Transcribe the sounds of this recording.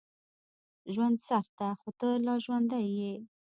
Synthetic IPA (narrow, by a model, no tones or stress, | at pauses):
ʒwand̪saɾt̪axot̪əlɑʒwand̪aje